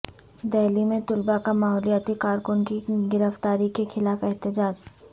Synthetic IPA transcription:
d̪ɛːlimẽt̪ʊlbakamaːɦɔːlijaːt̪ikaːɾkʊnkiɡɪɾəft̪aːɾikexɪlaːfɛɦt̪ɪd͡ʒaːd͡ʒ

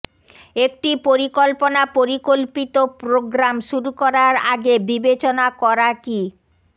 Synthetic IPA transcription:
ek̚ʈipoɾikolponapoɾikolpit̪opɾoɡɾamʃuɾukɔɾaɾaɡebibet͡ɕonakɔɾaki

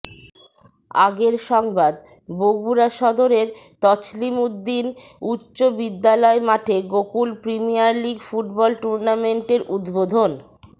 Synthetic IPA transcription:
a̰ɡeɾʃɔŋbad̪ | boɡbuɾaʃɔd̪oɾeɾt̪ɔt͡ɕlimud̪ːinutːɕobid̪ːalɔemaʈʰeɡokulpɾimijaɾliɡfuʈbɔlʈuɾnameɳʈeɾʔud̪bod̪ʱon

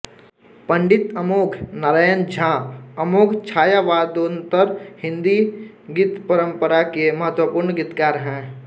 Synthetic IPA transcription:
pɐ̃ɳɖɪt̪əmoːkʰnaɾajənd͡ʒʱãːpəmoːkʰt͡ʃʰaːjaʋaːd̪ont̪əɾhɪ̃nd̪i | ɡɪt̪pəɾə̃mpəɾakemɐɦət̪wəpʊːɾɳɡɪt̪kaːɾɦɛ̃ː

